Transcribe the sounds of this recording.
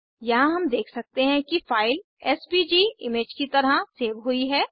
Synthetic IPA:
jɐɦãɦɐmd̪eːkʰsɐk̚t̪eɦɛ̃kifaːɪl | ɛːspiːd͡ʒiːɪmeːd͡ʒkit̪ɐɾaseːʋɦʊiɦɛː

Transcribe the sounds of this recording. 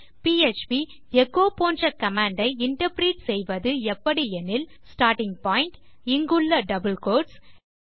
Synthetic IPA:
piːet͡ʃpi | ɛkːoːpoːndrɐkɐmaːɳɖɐɪɪɳʈɐpɾiːʈsɛjʋɐðɯɛpːɐɽiɛnɪlsʈaːɾʈɪŋpaːjɪɳʈɪŋɡɯɭːɐɖɐbɪlkoːʈs

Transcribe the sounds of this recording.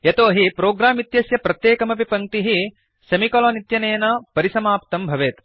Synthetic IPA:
jɐt̪oːɦipɾoːɡɾaːmit̪jɐsjɐpɾɐt̪jeːkɐmɐbʱipɐŋt̪iɦi | sɐmikɐlɐːnit̪jɐneːnɐpɐɾisɐmaːpt̪ɐmbʱɐʋeːt̪

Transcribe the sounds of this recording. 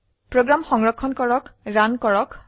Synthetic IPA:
pɹoɡɹamxɔŋɹɔkʰːɔnkɔɹɔkɹankɔɹɔk

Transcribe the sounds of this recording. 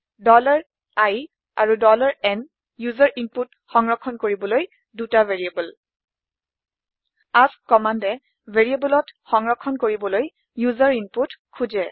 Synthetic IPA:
dɔlaɹ | aj | a̰ɹudɔlaɹɛn | juzaɹʔimput | xɔŋɹɔkʰːɔnkoɹibɔloj | dutaveɹiebɔl | askɔmandɛ | vʱeɹiebɔlɔtxɔŋɹɔkʰːɔnkoɹibɔloj | juzaɹinputkʰuzɛ

